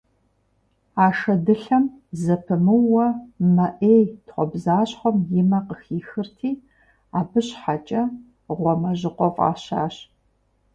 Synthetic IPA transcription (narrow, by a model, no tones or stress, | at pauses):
aːʂɐdɨɬɐmzɐpʰɨmɨwɐmɐʔeːjtχʷɔbzaːɕχʷɔmjɪmɐqəxiːxɨrtʰiː | aːbɨɕħat͡ʃʼɐ | ʁʷɔmɐʑɪqʷɔfʼa̰ːɕa̰ːɕ